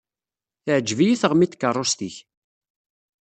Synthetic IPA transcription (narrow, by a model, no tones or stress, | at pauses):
θəʕd͡ʒvijiθəʁmit̪ːkːərˤːʊst̪iç